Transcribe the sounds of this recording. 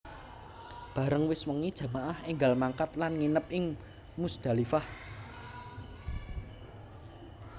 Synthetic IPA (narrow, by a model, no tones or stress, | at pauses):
b̥ä̤ɾəŋwɪswəŋid̥ʒ̥ä̤maʔahɪŋɡalmaŋkat̪̚lanŋinəp̚ʔɪŋ | musd̪̥a̤lifah